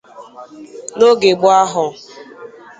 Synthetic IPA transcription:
no˦ɡe˨ɡ͡bʊ˦a˦ɦʊ˨

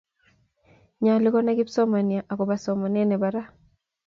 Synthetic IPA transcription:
ɲa˨lɪ˦kɔ˦na˦ki˦psɔ˦ma˨ni˨a˨ʔa˨kɔ˨ba˨sɔ˨mɔ˨nɛ˦nɛ˨ba˨ɾa˦

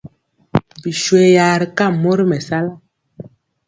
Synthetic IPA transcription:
bi˨ʃwe˨ja˨ɾi˨ka˦˨mo˦ɾmɛ˨sa˦la˦˨

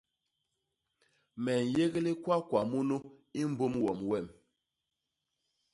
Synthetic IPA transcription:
mɛ˨n˨je˦ɣle˦kwa˦kwa˨mu˦nu˦ | i˦m̩˦bo˦mwɔ˨mwɛ˦˨m

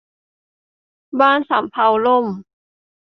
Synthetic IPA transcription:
baː˥˩nsa˩˦mpʰa˧wlo˥˩m

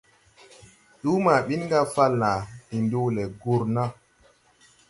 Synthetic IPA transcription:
ɗu˦ma˨ɓi˦nŋɡa˦fa˦lna˨ti˨ndu˦lɛ˨ɡu˦ɾna˦

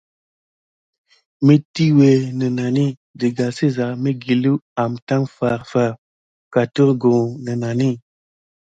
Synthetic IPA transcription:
me˦ti˦we˨nə˨na˨ni˦˨ | di˨ɡa˨se˦za˨me˦ɡi˨lu˦a˨mta˦ŋfa˨ɾfa˨ɾ | ka˨tu˦ɾɡõ˨nə˨na˨ni˦

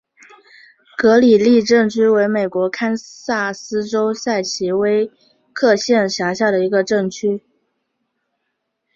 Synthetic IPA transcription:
kɤ˧˥li˨˩li˥˧ʈ͡ʂɤ˥˩ŋt͡ɕʰy˥we˧˥ɪme˨˩ɪkwɔ˧˥kʰa˥nsa˥˩sɹ̩˥ʈ͡ʂo˥ʊsa˥˩ɪt͡ɕʰi˧˥we˥ɪ | kʰɤ˥˧ɕjɛ˥˧nɕja˧˥ɕja˥˩ɾə˩i˧˥ɡə˧ʈ͡ʂɤ˥˩ŋt͡ɕʰy˥

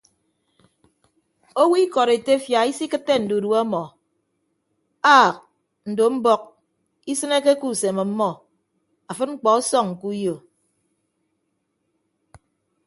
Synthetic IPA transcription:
o˦wi˦kɔ˨ɾe˨te˦fja˨i˦si˦kɨ˦tːe˦n̩˨du˨du˨˦a˦mɔ˨ | aː˦˨k̚ | n̩˨do˨m̩˦bɔ˦k̚ | i˦sɨ˦ne˦ke˦ku˦˨se˨mɔ˨m̩˦mːɔ˦ | a˨fɨ˦t̚ŋ͡m̩˦k͡pɔ˨ɔ˦sɔ˦ŋ̩˨ku˦jo˨

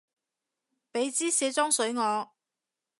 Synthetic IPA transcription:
pe˨˧˥jt͡siː˥sɛː˨˧t͡sɔː˥ŋsɵ˨˥ɥŋɔː˨˧

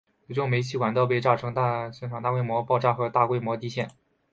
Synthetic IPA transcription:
o˨˧˩ʈ͡ʂʊ˥˩ŋme˧˥ɪt͡ɕʰi˥˩wa˧˥nt̪̬ɑ˥˧ʊp̬e˥˧ɪʈ͡ʂa˥˩ʈ͡ʂʰɤ˧˥ŋt̪a˥˧ɕjɛ˥˩nʈ͡ʂʰa˨˩t̪a˥˧kwe˥˩ɪmwɔ˧˥pɑ˥˧ʊʈ͡ʂa˥˩xɤ˧˥t̪a˥˧kwe˥˩ɪmwɔ˧˥t̪i˥ɕjɛ˥˩n

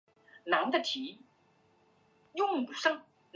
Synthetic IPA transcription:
na˧˥ŋd̪ə˧t̪ʰi˨˧˥ | jʊ˥˩ŋu˨˩sɤ˥˩ŋ | n

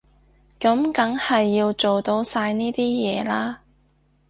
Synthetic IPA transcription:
kɐ˨˥mkɐ˨˥ŋhɐ˨jːiː˧wt͡so˨wt̪o˧wsaː˧jniː˥t̪iː˥jɛː˨˧laː˥

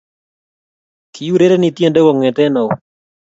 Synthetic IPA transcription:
kʰi˨ju˦ɾe˦ɾe˦ni˨tje˨nde˦wɔ˨ŋɛ˨tɛ˦nɔ˨

